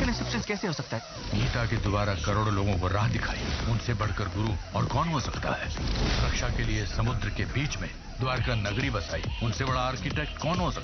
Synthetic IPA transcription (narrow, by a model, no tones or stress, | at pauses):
kɐnɪ̃ksɪpsʃə̃nskɛːseɦosɐk̚t̪aɦ | ʊmit̪aked̪ʊbaːɾakɐɾoːɽoloːɡõkoɾaːɦd̪ɪkʰaːḭʊnsebɐɽ̤kɐɾɡʊɾuɔːɾkɔːnɦosɐkt̪a̰ɦɛːʊɾɐkʃakeliesɐmʊd̪ɾəkebiːt͡ʃmẽ | d̪ʊaːɾkanɐɡɽibɐsaːḭʊnsebɐɽ̤aaːɾkɪʈɛːk̚ʈkɔːnɦosɐk̪̚ː